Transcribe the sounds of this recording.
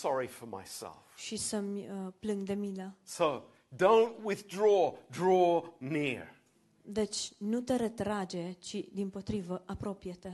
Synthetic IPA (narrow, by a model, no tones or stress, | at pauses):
sɑɹifə˞ma̰ɪsɛ̰lˠfʃisəmʲəplɨŋɡd̪e̞milasoʊ | dõʊ̃nʔwɪðdɹɔdɹɔnɪɹ | d̪et͡ʃʲnut̪eɾet̪ɾad͡ʒe̞t͡ʃid̪impo̞t̪ɾivəʔapɾo̞pijet̪e